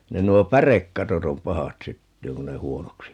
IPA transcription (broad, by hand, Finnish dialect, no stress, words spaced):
ne nuo pærekːɑtot om pɑhɑt sytːyːŋ kun ne huonoksi